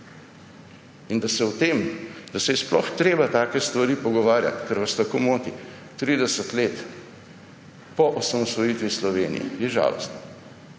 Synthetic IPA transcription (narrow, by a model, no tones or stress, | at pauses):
ind̪asɛwt̪eːmd̪asɛjɛsplɔ̰xt̪ɾeːbat̪aːkɛst̪ʋaɾiːpɔɡɔʋaːɾja̰t̪kɛɾʋast̪akoːmoːt̪i | t̪ɾiːd̪ɛsət̪leːt̪ | pɔʔɔsamɔsʋɔjiːt̪ʋislɔʋeːnḭjɛ̰jɛʒa̰ːlɔ̰st̪na